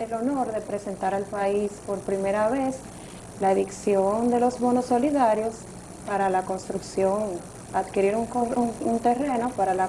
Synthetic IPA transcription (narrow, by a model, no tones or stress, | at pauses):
elo̞no̞ɾðe̞pɾe̞se̞nt̪aɾalpaispo̞ɾpɾime̞ɾaβes | laeðiksjo̞nd̪e̞lo̞zβo̞no̞sːo̞liðaɾjo̞s | paɾalako̞nst̪ɾuksjo̞ŋ | aðkiɾiɾuŋount̪e̞re̞no̞paɾala